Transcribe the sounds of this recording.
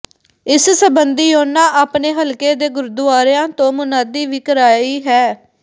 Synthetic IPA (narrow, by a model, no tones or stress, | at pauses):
ɪssəbənd̪iːoːnãːʔaːpneːɦəlkeːd̪eːɡʊɾd̪ʊaːɾjãːt̪õːmʊnaːd̪iːʋiːkəɾaːiːɦɛː